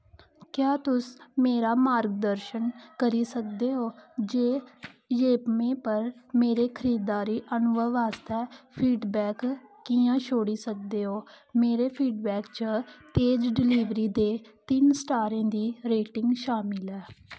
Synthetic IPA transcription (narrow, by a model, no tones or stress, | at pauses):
kjaːt̪ʊsmeːɾaːmaːɾɡ̚d̪əɾʃənkəɾiːsək̚d̪eːɦoːd͡ʒeːjeːpmẽːpəɾmeːɾeːkʰəɾiːd̪aːɾiːʔənʊʋəʋaːst̪ʰɛːpʰiːɖbɛːkːiːãːʃʰoːɽiːsək̚d̪eːɦoː | meːɾeːpʰiːɖ̚bɛːkt͡ʃət̪eːd͡ʒɖɪliːʋɾiːd̪eːt̪ɪnsʈaːɾẽːd̪iːɾeːʈɪŋɡʃaːmɪlɛː